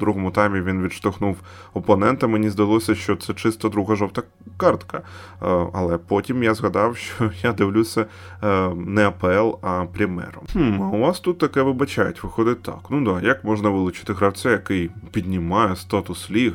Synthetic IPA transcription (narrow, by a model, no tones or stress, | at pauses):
d̪ɾuɦɔmʊt̪ɛjmʲiʋʲinʋʲid̪ʃt̪ɔxnuw | ɔpɔnɛnt̪ɐmenʲizd̪ɐlˠɔsʲɐʃt͡ʃɔt̪sɛt͡ʃɪst̪ɐd̪ɾuɦɐʒɔwt̪ɐ | kɑrt̪kɐ | ɐ̰lˠɛpɔtʲimjazɣɐd̪ɑwʃt͡ʃɔjad̪ɪwlʲusʲɐ | nɛɐpɛɛlˠɐpɾʲɪmɛ̰ɾɔhm̩ɐʊʋɑst̪ut̪ːɐkɛʋɪbɐt͡ʃajʊtʲʋɪxɔd̪ɪt̚ʲt̪ɑ̰knud̪ɑjɐkmɔʒnɐʋɪlˠʊt͡ʃɪ̥t̪ɪɦɾɐwt͡sʲɛjɐkɪjpʲid̪ʲnʲɪmɑjɛst̪ɑt̪ʊslʲiɣ